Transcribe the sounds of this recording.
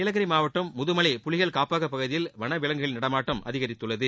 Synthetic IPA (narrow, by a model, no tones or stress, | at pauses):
ɪlɐɣɐɾimaːʋɐʈːɯmːʊðɯmɐɭɪpʊɭɪɣɐɭkaːpaːɣɐpːɐɣɯðɪjɪlʋɐnɐʋɪlɐŋɡɯɣɐɭɪnɐɽɐmaːʈːɐmʔɐ̰ðɪɣɐɾɪt̪ːɯɭːɐðɯ